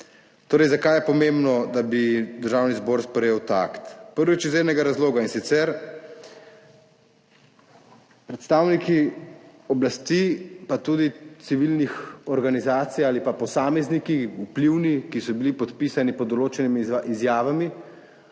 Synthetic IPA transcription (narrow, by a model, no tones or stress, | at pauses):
t̪oːɾɛjzakajɛpɔmembnɔd̪abid̪əɾʒaːwnizboːɾspɾɛjeːwt̪a̰kt̪pəɾʋit͡ʃizeːɾnɛɡaɾazloːɡainsit̪sɛɾ | pɾɛt̪st̪awniki | ɔblast̪ipat̪uːd̪it̪siʋilnixɔɾɡanizaːt̪sijaːlipapɔsaːmɛznikiupliwnikisɔbilipɔt̪pisanipɔd̪ɔloːt͡ʃɛnimiʔizjaːʋami